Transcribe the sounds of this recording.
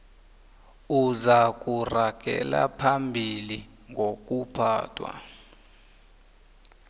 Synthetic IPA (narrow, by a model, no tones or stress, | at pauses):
uzak̬ʼuraɡ̥ʱɛ̰la̰pʰambʱili | ŋʱok̬ʼupʰaːtʰʼwa̰